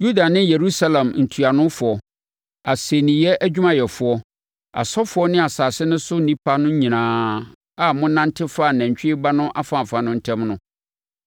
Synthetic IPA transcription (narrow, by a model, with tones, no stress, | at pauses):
ju˦da˨nɪ̃˦je˨ɾu˦sa˦lɛ̃˨mn̩˨tʰu˨a˨nʊ̃˦fʊ˨ɔ˨ | a˨se˨nĩ˨jɛ˦ʔæ˦d͡ʑᶣu˦mã˨jɛ˨fʊ˨˦ɔ˦ | a̰˨sɔ˦fʊ˨˦ɔ˦nɪ̃˦a˨saː˨sɪ˦nʊ̃˦sʊ˦nĩ˦pʰa˦nʊ̃˦ɲ˦ɲĩ˨nãː˨˦ | a˨mʊ̃˦nã˦ntʰɪ˦fa˦˨næ̃˨ɲ˨t͡ɕᶣɪ˦ɪ˦ba˦nʊ̃˦ʔa˦fã˨fa˨nʊ̃˦n̩˦tʰɛ̃˦mnʊ̃˦